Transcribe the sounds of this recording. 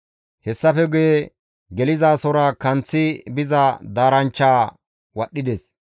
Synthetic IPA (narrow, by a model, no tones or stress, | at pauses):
hɛsːɐfɛɡʊje | ɡɛlɪzaːsɔɾɐkɐnt͡sːɪbɪzɐd̪aːɾɐnt͡ʃːaː | wɐɗːɪd̪ɛs